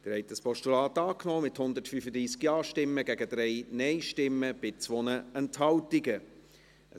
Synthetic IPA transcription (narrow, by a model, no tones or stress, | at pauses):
d̥əɾhɛɪtəspɔʃtulɑːtɑːknoːmɪthʊnd̪ətfyfəd̪ɾiːsɡjɑːʃtɪmːəɡæɡəd̥̪ɾɛɪnɛɪʃtɪmːəb̥ɪt͡sʋonəɛnthɑwtɪɡə | ə